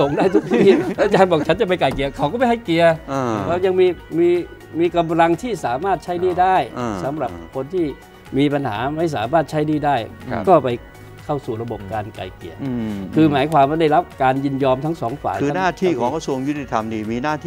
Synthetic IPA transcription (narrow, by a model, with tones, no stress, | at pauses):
o˨˩ŋdaː˥˩jt̪ʰu˨˥˩k̚t̪ʰiː˦˥˩la˧˥˩t͡ɕaː˧nbɔː˨˩k̚t͡ɕʰa˦˥nt͡ɕa˨˩p̬a˧jka˨˩ki˨˩ɐkʰa˨˦wkɔː˥˩pa˧jhʰa˥˩jki˨ɐ˧kʰɛː˧˥˩ja˧ŋmiː˧miː˧ | miː˧ka˧mɾa˧ŋt̪ʰiː˥˩saː˨˩˦maː˥˩t̪̚t͡ɕʰa˦˥˩jniː˥˩daː˥˩jsa˩˦mɾa˨˩p̚kʰo˧nt̪ʰiː˥˩ | miː˧pa˧nha̰ː˩˦ma˥˩js̬aː˩˦maː˥˩t̪̚t͡ɕʰa˦˥jniː˥˩daː˥˩jkɔː˥˩pa˧j | kʰa˥˩wsuː˨˩ɾa˧bo˨˩p̚kaː˧nka̰˨˩jkḭ˨˩əkʰɯː˧maː˨˩˦jkʰwaː˧mwaː˥˩da˥˩ɾa˦˥p̚kaː˧nji˥˩njɔː˧mt̪ʰa˦˥ŋsɔ̰ː˩˦ŋfa̰ː˨˩jɯː˧˦naː˥˩t̪ʰiː˥˩kʰɔː˨˩˦ŋkʰa˧˥˩su˧əŋju˦˥t̪ʰi˨˩t̪ʰa˧mniː˥˩miː˧naː˥˩